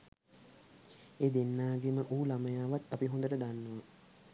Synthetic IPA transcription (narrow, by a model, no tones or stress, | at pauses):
eːd̪enːaːɡeməʔuːlaməjaːʋat̪apiɦõnd̪əʈəd̪anːuʋa